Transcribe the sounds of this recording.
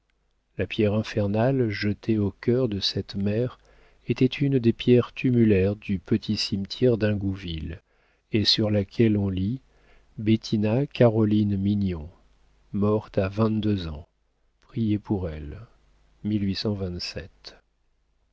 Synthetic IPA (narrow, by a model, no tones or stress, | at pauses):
lapjɛʁɛ̃fɛʁnalʒət̪ʰeokʲœʁd̪əsɛt̪mɛʁ | et̪ɛt̪ʰynd̪epjɛʁt̪ʰymylɛʁd̪ypət̪ʰisimt̪ʰjɛʁd̪ɛ̃ɡuvil | esyʁlakʲʰɛlɔ̃li | bet̪ʰinakaʁɔlinminjɔ̃ | mɔʁt̪avɛ̃t̪̚d̪øzɑ̃ | pχijepʰuʁɛl | milɥisɑ̃vɛ̃t̪sɛt̪